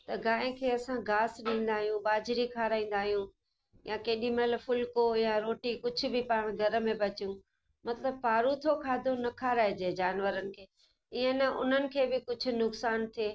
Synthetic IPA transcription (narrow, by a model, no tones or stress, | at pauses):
t̪ɐɡaːɦẽkʰeːɐsãɡaːsɗĩːn̆d̪aːɦijũɓaːd͡ʑɾikʰaːɾaːĩːn̆d̪aːɦijũː | jãkeːɗimelfʊlkojãɾoːʈikʊd͡ʑʱʊ̆bɪpaːɽ̃ɡʱɐɾə̆mẽbɐt͡ɕijũ | mɐt̪ləb̚paːɾut̪ʰokʰaːd̪ʱonɐkʰaːɾaːed͡ʑeːd͡ʑaːnʋəɾənɪ̆kʰeː | ɪɦə̃nɐʔʊ̰n̤ənɪ̆kʰeːbɪkʊd͡ʑʱʊ̆nʊksaːnt̪ʰieː